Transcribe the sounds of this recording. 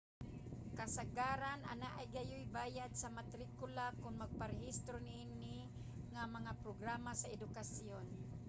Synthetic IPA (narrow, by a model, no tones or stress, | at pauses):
kasaɡaːɾanʔa̰naʔajɡajʊjbaːjad̪̚samat̪ɾikʊlakʊnmaɡ̚paɾɛhist̪ɾonɪʔini | ŋamaŋapɾoɡɾamasaɛd̪ʊkasjon